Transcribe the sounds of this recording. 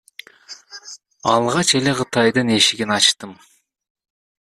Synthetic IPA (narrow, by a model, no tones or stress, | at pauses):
ɑlˠʁɑt͡ʃe̞le̞qʰɯt̪ɑjd̪ɯne̞ʃiɡʲinɑt͡ʃt̪ɯm